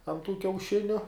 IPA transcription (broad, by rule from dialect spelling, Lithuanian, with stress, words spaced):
ɐn tuː kʲɛʊˈʃʲɪnʲʊ